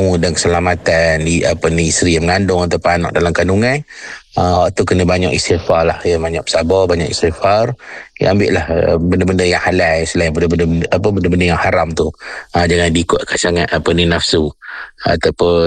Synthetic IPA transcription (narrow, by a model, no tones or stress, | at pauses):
udankə̥səlamat̪andiapəniːst̪ɾijaməŋandʊŋat̪awpʊanɔ̰ʔ̚dalamkanduŋãjəwaʔt̪ukənə̃baɲɔʔist̪ifarlahjamaɲɔʔə̥sabɔbaɲɔ̰ʔḭst̪ifar̰ambɪʔlahə̰bəndəbəndəjaŋhalajsəlaɪŋbəndəbəndəbəʔapəbəndəbəndəjaŋhaɾamt̪uəd͡ʒaŋandiːkʊt̪̚kansaŋat̪apəninafsua̰t̪apʊ